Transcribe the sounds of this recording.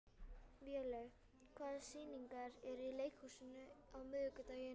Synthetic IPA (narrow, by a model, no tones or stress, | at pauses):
viɛlɛɣ | kʰvaːðsiːniŋkaɾɛɾilejkhusɪnʏawmɪðʏkʏt̪ajɪ